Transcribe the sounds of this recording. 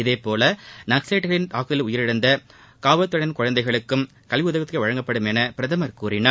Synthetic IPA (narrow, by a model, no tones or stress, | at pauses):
ɪðeːpoːlɐnɐkseːʈːɣɐɭɪnt̪aːkɯðɪlʊjɪɾɪɽɐnd̪ɐ | kaːʋɐt̪ːɐɽɐnkʊɻɐnd̪ɐɪɣɐɭɯkːɯm | kɐlʋɪʊðɐɣɐt̪ːkɐʋɐɻɐŋɡɐpːɐɽɯmɛnɐpɪɾɐðɐmɐɾkuːɾɪnɐ